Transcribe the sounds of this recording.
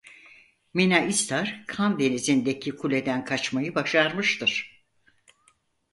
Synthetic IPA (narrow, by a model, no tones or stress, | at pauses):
minaʔist̪ʰaɾ̥kʰamd̪enizind̪ecʰikʰulʲe̞d̪ænkʰat͡ʃmajɯbaʃaɾmɯʃt̪ʰɯɾ̥